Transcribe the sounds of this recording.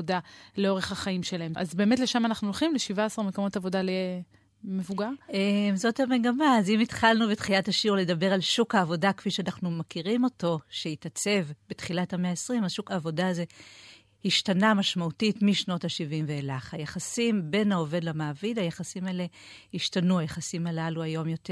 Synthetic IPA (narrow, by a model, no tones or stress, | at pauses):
odaleo̞ʁeχhaχaimʃelaɦema̰zbe̞ːmetle̞ʃamanaχnulχimleʃivaasaʁmekomo̞tavo̞dale | mevuɡaʁʔemzo̞thame̞ɡamaːzimitχalnubetχilathaʃuʁledabe̞ʁalʃukhaːvo̞dakfiʃeanaχnumakiʁimo̞to̞ʃeitat͡se̞vbetχilathameaesʁimaʃukaːvo̞daaze̞ | hiʃtanamaʃmautitmiʃno̞taʃivimveːlaχajaχasimbe̞nao̞ve̞dlamaːvidajaχasimaele̞ | hiʃtanuajaχasimalaluajo̞mjo̞t